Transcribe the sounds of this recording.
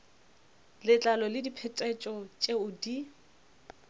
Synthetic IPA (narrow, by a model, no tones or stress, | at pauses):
lɪt͡ɬʼalɔlɪdipʰɛtʼɛt͡ʃʼɔt͡ʃʼeʊdi